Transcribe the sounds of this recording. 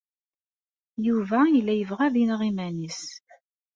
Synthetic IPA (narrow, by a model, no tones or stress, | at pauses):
juvæjəlːæjəvʁæðinʁimænis